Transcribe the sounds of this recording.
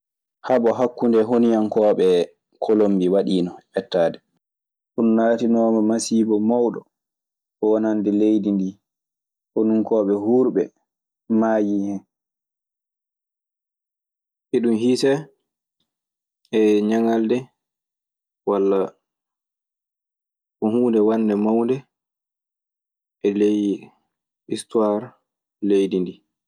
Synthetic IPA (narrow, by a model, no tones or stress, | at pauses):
haɓɔɦakːundɛɦonijankɔːɓɛ | kʰolombiwaɗiːnɔɛtːaːdɛ | ɗunːaːtinɔːmamasiːbɔmawɗɔ̰ | ʔɔwanandɛlejdindi | honuŋkɔːɓɛhuɾɓɛ | maːjihɛn | ʔiɗumhiːsɛ | ɛɲaŋaldɛ | walːa | ɔhuːndɛwanːdɛmawndɛ | ʔɛlej | ʔistuwaɾ | lejdindi